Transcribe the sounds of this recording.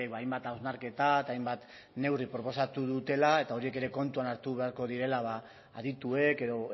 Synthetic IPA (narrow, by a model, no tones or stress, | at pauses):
kβaːajmbat̪awznaɾke̞t̪aet̪ajmbat̪ | ne̞wripɾo̞po̞sat̪uðut̪e̞lae̞t̪ao̞ɾie̞ke̞ɾe̞ko̞nt̪uanaɾt̪uβ̞e̞aɾko̞ðiɾe̞laβa | a̰ðit̪ue̞ke̞ðo̞